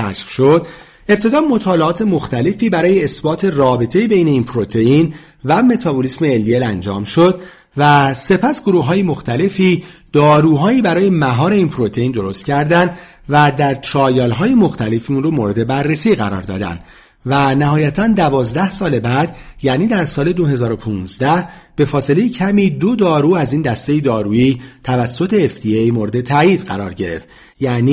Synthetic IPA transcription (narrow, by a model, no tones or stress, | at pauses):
æʃfʃod̪̥ | e̞p̚t̪ʰe̞d̪ɒːmo̞t̪ʰɒːleɒːt̪ʰe̞mo̞xt̪ʰæle̞fiːbæɾɒːjeːsbɒːt̪ʰe̞rɒːbe̞t̪ʰe̞jibe̞jne̞iːnpʰɾo̞t̪ʰe̞in | væme̞t̪ʰɒbolisme̞ːlːielænd͡ʒɒ̰ːmʃo̞d̪ | væse̞pʰæsɡ̥o̞ɾuːɦɒːjemo̞xt̪æle̞fiːd̪̥ɒːɾuːɦɒːiːbæɾɒːje̞mæɦɒːɾe̞iːnpʰɾo̞t̪ʰe̞iːnd̪o̞ɾo̞st̪cʰæɾd̪ænd̪ | væd̪æɾt̪ʰɾɒːjɒːlɦɒːjemo̞xt̪ʰæle̞fiunromoɾe̞d̪e̞bærːesiːɣæɾɒ̰ːɾd̪ɒ̰ːd̪æ̰nd̪ | vænæɦɒːjæt̪ʰænd̪ævɒːzd̪æhsɒːle̞bæd̪jæːniːd̪æɾsɒːle̞d̪o̞ɦe̞zɒːɾo̞pʰuːnzd̪æhb̥e̞fɒːse̞le̞jecʰæmiːd̪o̞d̪ɒːɾuːæziːnd̪æst̪e̞jed̪ɒːɾuiːt̪ʰævæsːo̞t̪ʰe̞ːfd̪̥iejmoɾe̞d̪e̞t̪ʰæiːd̪̥ɢæɾɒːɾɟe̞ɾe̞̰ft̪ | jæʔniː